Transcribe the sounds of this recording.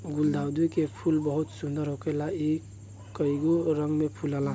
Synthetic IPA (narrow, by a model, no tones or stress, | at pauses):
ɡuld̪awd̪ujkepʰulbəɦut̪sund̪əɾɦokəjlai | kəiɡoɾəŋɡmepʰulala